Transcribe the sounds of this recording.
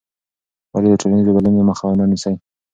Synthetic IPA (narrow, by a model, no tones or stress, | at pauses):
waled̪əʈolanizeɡalənemaxawananisaj